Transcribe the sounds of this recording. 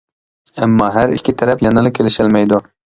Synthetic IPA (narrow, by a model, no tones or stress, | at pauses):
æmːɑːɦæɾḭkʲʰːɪt̪ʰɛɾɛpjɑnɨlˠɨkʲʰelɪʃɪlmɛjd̪u